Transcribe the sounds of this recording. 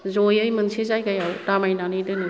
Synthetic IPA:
zojɯjmɯnsezajkajawtamajnanɯjdɯni

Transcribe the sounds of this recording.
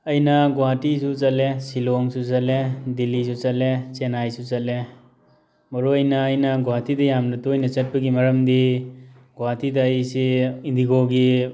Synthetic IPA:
ɐjnɐɡɔwatisut͡ʃɐlesiloŋsusɐledilisut͡ʃɐlet͡ʃenajsut͡ʃɐle | mɔɾoɐjnɐːjnɐɡɔwatidɐjamnɐtujnɐt͡ʃɐt̚pɐɡimɐɾɐmdi | ɡowatidɐːjsiindiɡoɡi

